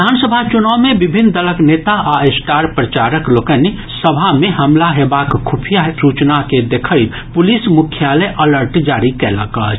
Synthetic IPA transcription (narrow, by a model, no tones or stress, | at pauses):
d̪ʱaːnsəbʱat͡ʃʊnaːwmẽbɪbʱɪnd̪ələkneːt̪aʔaesʈaːɾpɾət͡ʃaːɾəkloːkən | səbʱamẽɦəmlaɦebakkʰupʰijasut͡ʃnaked̪ekʰəi | pʊlismʊkʰjaləʔələɾʈd͡ʒaːɾikɛlə̰kət͡ʃ